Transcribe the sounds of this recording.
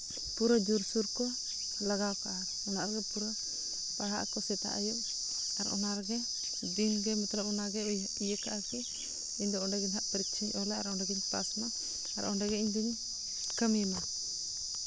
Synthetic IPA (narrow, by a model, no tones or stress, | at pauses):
puɾad͡ʒuɾsuɾkɔ | laɡawkaʔaɾ | ɔnaʔɾɡɛpuɾa | paɽa̰ʔkɔsɛt̪a̰ʔajuʔ | aɾɔ̰naʔɾɡɛ | d̪inɡɛmɛt̪lapɔnaɡɛujaijəkaʔakɛ | iɲd̪ɔɔɳɖɛɡiɲɦaʔpəɾik̚t͡ʃʰiɲɔlɛa̰ɾɔnɖɛɡiɲpa̰smaː | ɾɔ̰nɖɛɡɛiɲd̪iɲ | kəmɛma